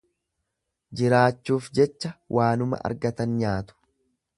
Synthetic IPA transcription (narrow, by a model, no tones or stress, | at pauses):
d͡ʒɪɾaːt͡ʃːuːfd͡ʒɛt͡ʃːɐwʔaːnʊmɐ̰ʔɐ̰ɾɡɐt̪ɐnɲaːt̪ʊ̥